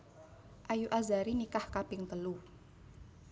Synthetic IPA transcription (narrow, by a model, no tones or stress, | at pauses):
ʔajuʔazaɾinikahkab̥ɪŋt̪əlu